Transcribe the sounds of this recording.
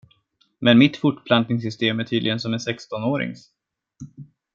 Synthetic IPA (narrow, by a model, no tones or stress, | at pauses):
mɛnmɪt̪fʊʈːpʰlant̪̚nɪŋs̬ʏst̪eːmæʈʰyːd̪lɪɡənsɔmɛnsɛkst̪ɔnoːɾɪ̰ŋs